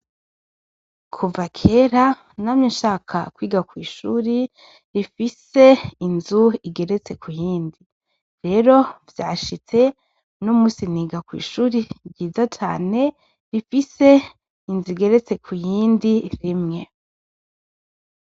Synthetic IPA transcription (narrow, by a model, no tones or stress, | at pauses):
kʰuvakʰe̞ːɾa | naːmɲinʃaːkʰa̰kwiːɡakwiːʃuːɾi | ɾifise̞inzuiɡe̞ɾe̞t͡se̞kʰujiːndi | ɾe̞ɾo̞vjaːʃit͡se̞ | nomũːsiniːɡakwḭːʃuːɾiɟiːzat͡ʃa̰ːne̞ | ɾifise̞ | inzuiɡe̞ɾe̞t͡se̞kʰujiːndiɾimŋe̞